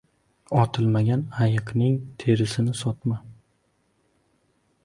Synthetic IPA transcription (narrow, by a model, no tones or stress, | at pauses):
ɒt̪ʰɪlˠmaɡʲanajɨqnɪŋt̪ʰe̞ɾɪsɪnɪsɒt̪ma